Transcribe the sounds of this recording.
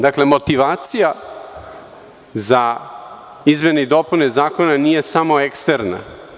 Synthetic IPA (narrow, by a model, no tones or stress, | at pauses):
d̪aklemo̞t̪iʋaːt̪sija | za | izmeneid̪o̞punezaːko̞nanije̞samo̞ekst̪eɾna̰